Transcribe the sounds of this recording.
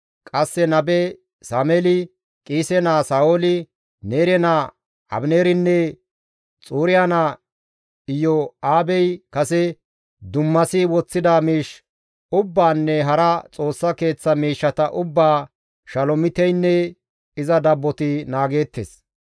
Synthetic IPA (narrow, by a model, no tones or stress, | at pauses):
kʼɐsːɛnɐbɛ | saːmɛlɪ | kʼiːsɛnaːsaːolɪ | neːɾɛna | ɐ̰bneːɾɪnːɛ | t͡sʼuːɾɪjaːna | ɪjɔaːbɛjkɐsɛ | d̪ʊmːɐsɪwɔt͡sːɪd̪aːmiːʃ | ʊbːaːnːɛɦɐɾɐt͡sʼo̞ːsːɐke̞ːt͡sːɐmiːʃːɐt̪ɐʔʊbːaː | ʃɐlɔmɪt̪ɛjnːɛ | ɪzɐd̪ɐbːɔt̪ɪnaːɡe̞ːt̪ːes